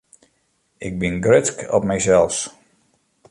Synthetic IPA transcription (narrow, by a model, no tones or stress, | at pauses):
ɪk̚bɪnɡrɪtkɔ̰p̚mɛjsɛlˠfs